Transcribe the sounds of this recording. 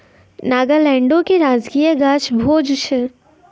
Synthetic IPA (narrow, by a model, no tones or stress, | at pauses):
naːɡəlɛ̃ːɳɖõkeɾaːd͡ʒkiːjaɡaːʃbʱoːd͡ʒuʃʰə